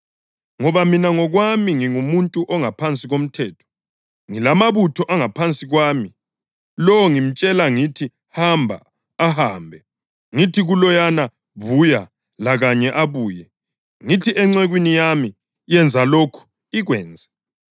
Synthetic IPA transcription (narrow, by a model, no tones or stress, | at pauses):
ŋɔβaminaŋɔɣwamiŋiŋumuntʼuʔɔŋapʰant͡sʼiɣom̩tʰɛːtʰɔ̥ | ŋilamaβutʰɔʔaŋapʰant͡sʼiɣwaːmi | lɔɔŋim̩t͡ʃʼɛlaŋitʰi | hambʱa̰ː | ɦaːmbʱɛ | ŋitʰiɣulɔjana | βuja | laɣaɲɛʔaβuːjɛ | ŋitʰiʔɛŋ͡ǀɛɣwinijami | jɛnd͡zʱalokʰu̥ | iɣwɛːnd͡zʱɛ